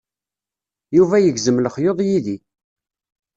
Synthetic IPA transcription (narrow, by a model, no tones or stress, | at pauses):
juvæjəɡzəmləχjoðˤjiði